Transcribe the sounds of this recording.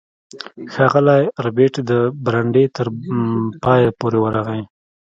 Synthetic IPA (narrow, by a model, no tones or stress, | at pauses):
xɑɣəlajɾabeʈd̪əbɾaɳɖet̪əɾpɑjapoɾewəɾaɣaj